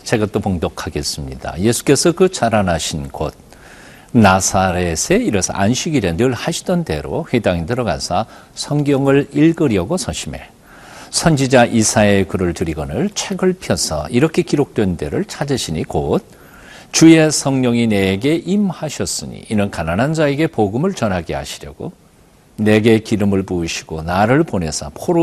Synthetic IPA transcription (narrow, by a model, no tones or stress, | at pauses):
t͡ɕe̞ɡat͈opoŋdʌkʰaɡe̞s͈ɯmɲḭda̰je̞sʰu̥k͈e̞sʰʌkɯt͡ɕaɾanaɕʰinɡo̰d̚ | nasʰaɾesʰeiɾʌsʰʌ̰ʔanɕʰiɡiɾenɯɭhaɕʰi̥dʌnde̞̰ɾo̰ɸwedaŋitɯɾʌɡa̰sʰa | sʰʌŋɡjʌŋɯɭiɭɡɯɾjʌɡosʰʌɕʰime̞̰ | sʰʌnd͡ʑid͡ʑaʔisʰaekɯɾɯɭtɯɾiɡʌnɯɭt͡ɕʰe̞ɡɯɭpʰjʌsʰʌ̰iɾʌkʰe̞kiɾok̚t͈we̞nde̞̰ɾɯɭt͡ɕʰad͡ʑʌɕʰiɲikot̚ | t͡ɕue̞sʰʌŋɲʌŋine̞ɡe̞ʔimhaɕʰʌs͈ɯɲḭːnɯnkananand͡ʑae̞ɡe̞poɡɯmɯɭt͡ɕʌnɦaɡeha̰ɕʰiɾjʌɡ̥o | ne̞ɡe̞kiɾɯmɯɭpuːɕʰi̥ɡ̥onaɾɯɭpone̞sʰʌpʰoɾo